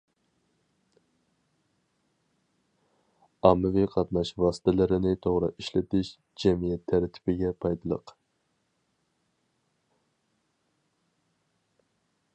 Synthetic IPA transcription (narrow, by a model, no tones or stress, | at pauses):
ɑmːɪviqʰɑt̪nɑʃvɑːsɪ̥t̪ʰɛlɪɾɪnɪt̪ʰoʁɾɨ̰iʃlɪt̪ɪʃ | d͡ʒɛmijɛt̪ʰːæɾt̪ʰːɪ̥pɪɡʲɛpʰɑjd̪ɨlˠə̰q